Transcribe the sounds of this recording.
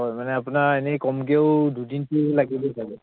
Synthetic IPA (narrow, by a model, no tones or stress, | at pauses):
ɔjmanɛapunaɹenɛkɔmɡeʊdudintulaɡibosʰaɡɛ